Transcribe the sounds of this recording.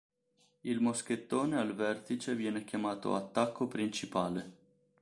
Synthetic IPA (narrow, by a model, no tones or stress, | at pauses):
ilmosk̟et̪ːoːnealvɛrt̪it͡ʃevjɛːnɛkjamaːt̪o̰at̪ːakʰːopɾint͡ʃipaːle